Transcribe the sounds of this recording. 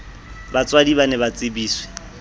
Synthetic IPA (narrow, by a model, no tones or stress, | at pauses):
bat͡sʼwadiβanɛβat͡sʼɪbiːswɛ̥